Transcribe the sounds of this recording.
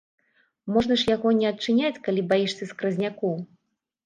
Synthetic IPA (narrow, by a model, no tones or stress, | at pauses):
mɔʐnɐʂjaɣɔnʲɛɐtt͡ʂɨnʲat͡sʲkalʲibajiʂsʲɐskɾɐzʲnʲakɔw